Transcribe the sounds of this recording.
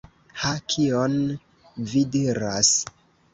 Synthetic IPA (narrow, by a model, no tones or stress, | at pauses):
hakʰion | vidiɾas